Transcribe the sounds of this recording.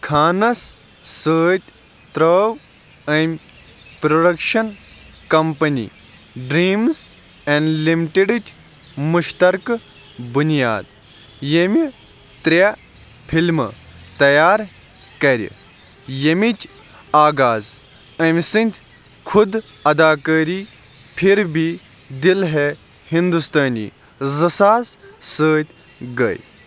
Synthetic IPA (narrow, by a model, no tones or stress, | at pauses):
kʰaːnɐs | səːt̪ʲ | t̪ɾəːw | ɐmʲ | pɾoɖɐkʃɐnkɐmpɐnḭ | ɖɾiːmz | enɖlimiʈeɖɨt͡ʃ | muʃt̪ɐɾk | bunija̰ːd̪ | jemʲi | t̪ɾʲa | pʰilmt̪ɐjaːɾ | kɐɾʲḭ | jemit͡ʃ | aːɡaːz | ɐmʲsɨnt̪ʲʰ | kʰud̪ | ɐd̪aːkəːɾiː | pʰiɾbi | d̪ilɦe | hĩnd̪ust̪aːnḭː | zɨsaːzsəːt̪ʲ | ɡɐ̰ːj